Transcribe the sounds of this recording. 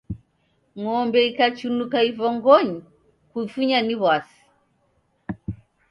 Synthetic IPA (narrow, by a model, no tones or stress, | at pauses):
ŋɔmbɛikat͡ʃunukaivɔŋɡɔɲi | kuifuɲaniβwasi̥